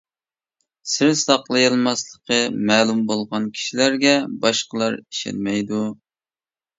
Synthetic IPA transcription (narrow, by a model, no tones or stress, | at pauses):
sɪɾsɑqlˠɨjɨlˠmɑslˠəqʰəmɛːlumbolˠʁɑnkʲʰi̥ʃilæɾɡʲɛbɑʃqəlˠɑɾi̥ʃḛnmɛjd̪u